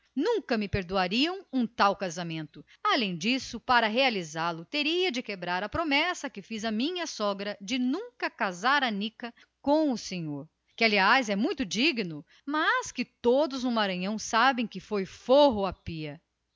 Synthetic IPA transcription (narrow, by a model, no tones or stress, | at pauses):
nũŋkɐmɪpeɾd̪uaɾiɐ̃w̃ũt̪awkazamẽnt̪ʊ | alẽj̃d͡ʒisʊpaɾɐɦealizalʊt̪eɾiɐd͡ʒɪkebɾaɾɐpɾomɛsɐkɪfizɐmĩɲɐsɔɡɾɐd͡ʒɪnũŋkɐkazaɾɐnikɐ | kõw̃ʊsẽɲoɾ | kɪaliajzɛmũj̃t̪ʊd͡ʒiɡinʊ | mɐskɪt̪od̪ʊznʊmaɾɐ̃ɲɐ̃w̃sabẽj̃kɪfojfoɦʊapiɐ